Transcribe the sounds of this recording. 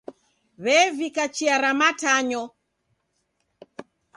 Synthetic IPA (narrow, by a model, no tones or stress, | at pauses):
βɛvikat͡ʃiaɾamataɲɔ